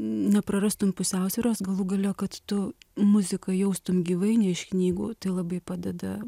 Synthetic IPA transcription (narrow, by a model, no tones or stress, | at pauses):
nʲɛpɾɐɾɐst̪ʊmpʊsʲæʊsʲʋʲɪːɾoːsɡɐlˠuɡɐlʲoːkɐt̪tʊmʊzʲɪkɐjɛʊst̪ʊmɡʲiːʋɐɪnʲɛɪʃknʲiːɡṵːt̪ɐɪlˠɐbɐɪpɑːd̪ʲɛd̪ɐ̰